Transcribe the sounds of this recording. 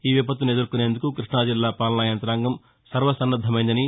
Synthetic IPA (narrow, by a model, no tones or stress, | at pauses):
iːʋip̬ɐt̪̬ʋuned̪ɐɾkuneːnd̪ukukɾiʂɳaːd͡ʒilːaːpaːlnaːjɐnt̪ɐɾaːŋɡɐm | sɐɾʋɐsɐnːɐd̪ʱːɐmɐjind̪ɐni